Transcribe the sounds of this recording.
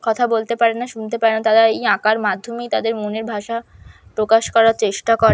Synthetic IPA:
kɔt̪ʰabolt̪epaɾenːaʃunt̪epaɾenat̪aɾaejãkaɾmad̪ʱːomejt̪ad̪eɾmoneɾbʱaʃa | pɾokaʃkɔɾaɾt͡ɕeʃʈakɔɾ

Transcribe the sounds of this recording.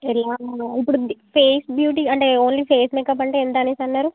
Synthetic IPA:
ɛlaːipːuɽupʰeːsbjuːʈiɐɳʈe̞oːnliːpʰeːsmekɐp̬ɐɳʈeːend̪anisɐnːaːɾu

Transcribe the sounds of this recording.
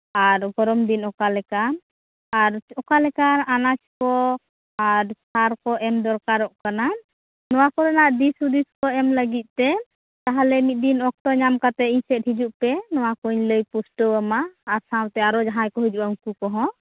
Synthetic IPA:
aɾɡɔɾɔmd̪inɔkalɛkan | aɾɔkalɛkananat͡ʃkɔ | aɾsaɾkɔʔɛmd̪ɔɾkaɾɔʔkana | nɔwakɔɾɛnaʔd̪isud̪iskɔɛmləɡit̪̚ˀt̪ɛ | t̪aɦalɛmit̪̚d̪inɔk̚t̪ɔɲamkat̪ɛiɲsɛt̚ɦid͡ʒuʔpɛnɔwakuɲləjpusʈəəmaːɾsawt̪ɛaɾɔd͡ʒaɦajkɔɦid͡ʒuʔaũŋkukɔɦɔ̃

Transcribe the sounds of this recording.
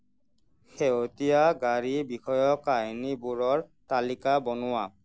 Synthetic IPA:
xeotijaɡaɹibixɔjɔkajnibuɹɔɹtalikabɔnʊwa

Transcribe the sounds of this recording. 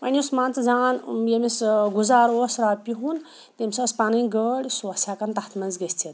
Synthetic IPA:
pɐnʲiusmãːnt͡sd͡zaːnjemisɡuzaːɾosɾaːpʲiɦun | t̪emʲsɐspaniɡəɽʲsuɐsakɐnt̪at̪ʰmɐnzɡest͡sʰit̪

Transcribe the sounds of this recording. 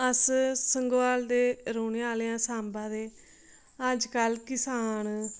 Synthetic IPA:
əssəŋɡʋaːld̪eːɾoːɳeaːleːãːsaːmbãːd̪eː | əd͡ʒkəlkɪsaːn

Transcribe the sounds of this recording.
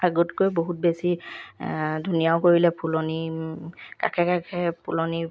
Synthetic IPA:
aɡɔtkojboɦut̚besi | dʱunijaʊkoɹilɛpʰulɔni | ka̰kʰɛkakʰɛpuloni

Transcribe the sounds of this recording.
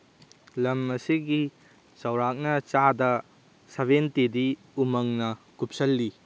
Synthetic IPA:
lɐmɐsiɡi | sɐwɾak̚nɐt͡ʃadɐ | sɐbentidi | umɐŋnɐkup̚sɐlːi

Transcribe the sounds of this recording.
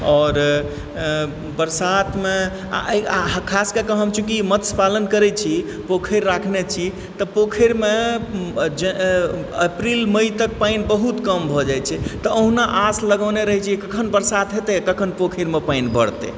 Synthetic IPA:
ɔːɾ | bəɾsat̪ʰmḛ | ɦkʰaskekəɦəbt͡ʃʰukimət̪spalənkəɾɛt͡ʃʰi | pokʰəɾːakʰnet͡ʃʰi | t̪ɔpokʰəɾme | d͡ʒe | əpɾilməjt̪ək̚pajnbəɦut̪kəmbʱɔd͡ʒajt͡ʃʰɛt̪ɔəɦnaʔasləɡəneɾəɦɛt͡ʃʰikəkʰənbəɾsat̪ɦet̪ekəkʰənpokʰiɾmepajnbə̰ɽt̪ḛ

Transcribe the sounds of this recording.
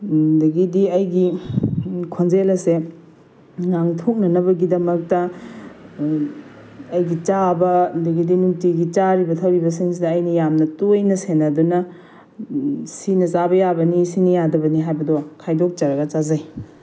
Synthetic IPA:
dɐɡidiɐjɡi | kʰonzelɐse | ŋaŋtʰok̚nɐnɐbɐɡidɐmɐk̚tɐ | jɡit͡ʃabɐdɐɡidinuŋtiɡit͡ʃaɾibɐtʰɐwɾibɐs̬iŋs̬idɐːjnɐjamnɐtojnɐsenɐdunɐ | sinɐzabɐjabɐnisinɐjadɐbɐniɦajbɐdɔkʰajdok̚t͡ʃɐɾɐɡɐt͡ʃazaj

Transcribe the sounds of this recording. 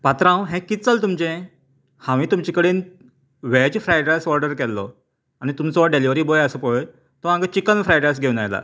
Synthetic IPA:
pat̪ɾãwɦɛ̃kit͡səlt̪umt͡ɕẽ | hãʋĩːt̪umt͡ɕikəɽiːn | ʋɛd͡ʑfɾajʈasɔɾɖəɾkɛlːɔ̰ | añit̪umt͡sɔʋəɖeliʋɾiːbojəsəpə | t̪ɔãŋɡət͡ɕikənfɾajʈajs̬ɡʱewnajla̰

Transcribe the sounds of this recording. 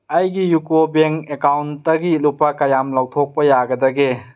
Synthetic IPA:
ɐjɡijukobeŋkekawntːɐɡilupːakɐjamlawtʰok̚pɐjaɡɐdɐɡe

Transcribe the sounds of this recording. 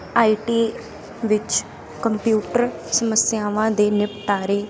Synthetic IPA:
aːiʈiː | ʋɪt͡ʃ | kəmpjuːʈəɾsəməsjaːʋãːd̪eːnɪpt̪aːɾeː

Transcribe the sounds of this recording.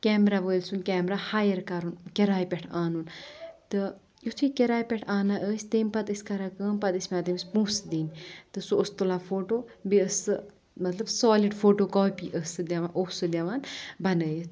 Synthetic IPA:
kʲɛːmɾaːʋəːlsunkɛːmɾahaːjɐɾkɐɾunkʲeɾaːjpʲeʈʰaːnunt̪ɨ | jut̪ʰikʲeɾaːjpʲeʈʰaːnaʔəːsʲt̪eːmpɐt̪ɨsʲkɐɾakəːmpɐt̪isʲmʲaːd̪imisʲpũːsd̪iːnʲt̪ɨsuːst̪ulãːfoːʈoːbiəsɨ | mɐt̪lɐbsoːliɖfoːʈoːkoːpiːʔəsɨd̪ʲɐʋaːnʔoːsɨd̪ʲɐʋaːnbɐnəːji

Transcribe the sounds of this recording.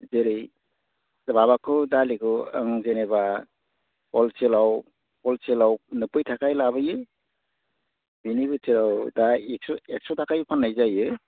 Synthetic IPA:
zeɾɯj | dbaβakʰɯdalikɯə̰ŋzeneba | pɔlselaw | pɔlselawnɯpɯjtʰakajlaβɯjɯ | binibɯt͡ʃelawdaek̚sɔek̚sɔtʰakajpʰanːajzajɯ

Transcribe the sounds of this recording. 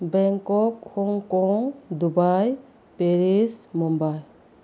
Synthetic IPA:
bɛŋkɔk̚hɔŋkɔŋd̪ubaj | peɾismɔmbaj

